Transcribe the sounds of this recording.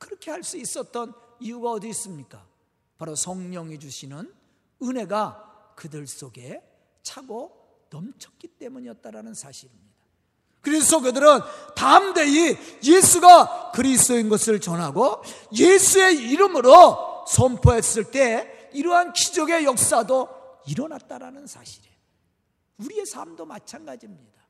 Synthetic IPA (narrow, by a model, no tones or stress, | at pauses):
kɯɾʌkʰe̞haɭs͈uis͈ʌt̚t͈ʌniuɡaʌdiis͈ɯmɲik͈a | paɾosʰʌŋɲʌŋed͡ʑuɕʰinɯn | ɯne̞ɡakɯdɯɭs͈oɡe̞ | t͡ɕʰaɡo | nʌmt͡ɕʰʌk̚k͈it͈e̞muɲijʌt̚t͈aɾanɯnsʰaɕʰiɾimɲida | kɯɾesʰok̬ɯdɯɾɯntamdeijesʰuɡakɯɾistoinɡʌsʰɯɭt͡ɕʌnɦaɡojesʰue̞iɾɯmɯɾosʰʌmpʰoɦes͈ɯɭt͈e̞ | iɾʌɦankid͡ʑʌɡe̞jʌk̚s͈ado | iɾʌnat̚t͈aɾanɯnsʰa̰ɕʰi̥ɾe | uɾie̞sʰamdomat͡ɕʰanɡad͡ʑimɲid̥a